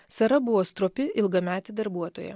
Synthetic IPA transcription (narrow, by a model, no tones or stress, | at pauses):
sɐɾɐbʊʋoːst̪ɾoːpʲɪʔɪlˠɡɐmʲæːt̪ʲɪd̪ɐɾbuɔt̪oːjɛ̰